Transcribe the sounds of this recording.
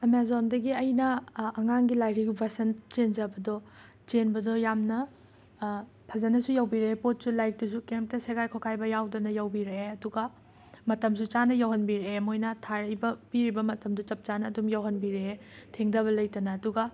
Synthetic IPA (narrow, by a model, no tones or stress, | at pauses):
emezondɐɡiɐjnɐːŋaŋɡilajɾiɡbʱɐsɐnt͡ʃenzɐbɐdɔ | t͡ʃenbɐdɔjamnɐ | pʰɐzɐnɐsujawbiɾɐepot̚sulajk̚dus̬ukemp̚tɐseɡajkʰowkʰajbɐjawdɐnɐjawbiɾɐeɐduɡɐ | mɐtɐms̬ut͡ʃanɐjawɦɐnbiɾeemojnɐtʰaɾɐjbɐpiɾibɐmɐtɐmdut͡ʃɐp̚t͡ʃanɐːdumjawɦɐnbiɾeetʰeŋdɐβɐlɐjtɐnɐɐduɡɐ